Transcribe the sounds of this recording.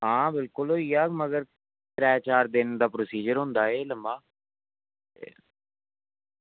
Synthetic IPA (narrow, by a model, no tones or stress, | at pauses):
ɦãːbɪlkʊlɦoːiːaːməɡəɾ | ʈɾɛːt͡ʃaːɾd̪ɪnd̪aːpɾoːsiːd͡ʒəɾɦʊ̃nd̪aːeːləmbaː | ḛ